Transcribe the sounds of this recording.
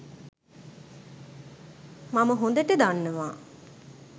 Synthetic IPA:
maməɦond̪əʈəd̪anːəʋaː

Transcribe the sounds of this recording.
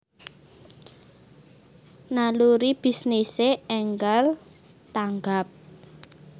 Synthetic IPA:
naluɾib̥i̤sniseɛŋɡal | t̪aŋɡap̚

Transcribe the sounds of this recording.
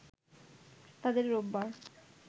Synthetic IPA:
t̪ad̪eɾɾobːaɾ

